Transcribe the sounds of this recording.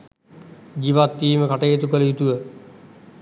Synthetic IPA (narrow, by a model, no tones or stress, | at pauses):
d͡ʒiʋat̪ːiːməkaʈəjet̪ukələjut̪uʋə